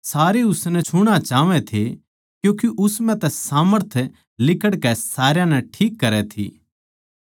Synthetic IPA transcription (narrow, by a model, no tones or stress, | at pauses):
saːɾeʊsnɛ̃t͡ʃʰʊɽ̃ãt͡ʃaːʋɛ̃t̪ʰe | kjũːkiʔʊsmɛ̃t̪ɛsaːməɾt̪ʰ | lɪkəɽkɛsaːɾjãnɛʈʰiːkːɐɾɛt̪ʰḭː